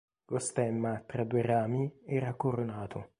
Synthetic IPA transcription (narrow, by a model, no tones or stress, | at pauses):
ɡost̪ɛmːat̪ɾad̪uːeraːmiɛːɾakoɾonaːt̪ʰʊ̰